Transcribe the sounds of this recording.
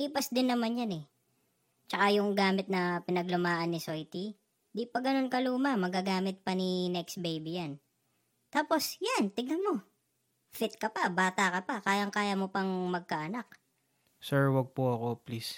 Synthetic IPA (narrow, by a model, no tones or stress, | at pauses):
liːpɐsd̪ɪnːɐmanjanɛ | t͡ʃɐkajʊŋɡaːmɪt̪̚nɐpɪnɐɡlʊmaːʔɐnːɪsojt̪i | d̪ipɐɡɐno̞nkɐluːmɐmɐɡaːɡaːmɪt̪̚pɐninɛksbejbijan | t̪aːpo̞sjant̪ɪɡɐmo | fɪt̪̚kɐpɐbaːt̪akɐpɐkaːjɐŋkaːjɐmopɐŋmɐɡ̚kaʔɐnak̚ | sɛɹwɐɡ̚poɐko̞plis